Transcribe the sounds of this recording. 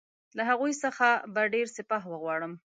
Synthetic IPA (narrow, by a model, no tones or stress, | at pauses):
laɦaɣujsəxabaɖeɾsɪpɑɦwəɣwɑɽəm